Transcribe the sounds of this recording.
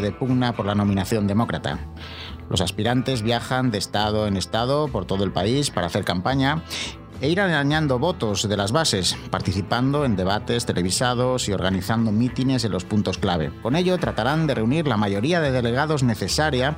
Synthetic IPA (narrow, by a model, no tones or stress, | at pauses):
ðe̞puɣnapo̞ɾlano̞mĩnaθjo̞nd̪e̞mo̞kɾat̪a̰ | lʔo̞̰saspiɾant̪e̞zβjaxand̪e̞ːst̪aðo̞e̞ne̞st̪að̞o̞po̞ɾt̪o̞ð̞oelpaispaɾa̰θe̞ɾkampaɲa | eiɾaaɲãnd̪o̞βo̞t̪o̞zðe̞lazβase̞spaɾt̪iθipand̪o̞e̞nd̪e̞β̞at̪e̞st̪e̞lʔe̞β̞isað̞o̞sio̞ɾɣaniθand̪o̞mit̪ine̞s̬e̞nlo̞spunt̪o̞sklaβ̞ḛko̞ne̞ʎo̞t̪ɾat̪aɾand̪e̞reuniɾlamaʝo̞ɾiaðe̞ð̞e̞le̞ɣ̞aðo̞zne̞θe̞saɾja